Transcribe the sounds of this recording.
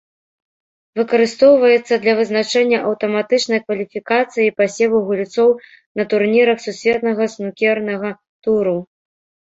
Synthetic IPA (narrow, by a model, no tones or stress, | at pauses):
vɨkɐɾɨst̪ɔwvɐjɛt̪sːɐd̪lʲɐvɨznat͡ʂɛnʲːɐʔɐwt̪ɐmat̪ɨt͡ʂnɐjkvɐlʲifʲikat̪sɨjipasʲɛvuɣulʲt̪sɔw | nɐt̪urnʲiɾɐxsusʲvʲɛt̪nɐɣɐsnukʲɛrnɐɣɐ | t̪uɾu